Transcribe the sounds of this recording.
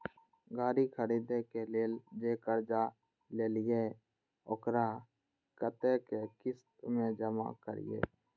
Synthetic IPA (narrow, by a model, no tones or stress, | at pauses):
ɡaːɾikʰəɾiːd̪ekeled͡ʒeːkəɾd͡ʒa | leːlɪje | okɾa | kət̪ekekɪst̪mẽd͡ʒəma̰kə̰ɾɪ̰jḛː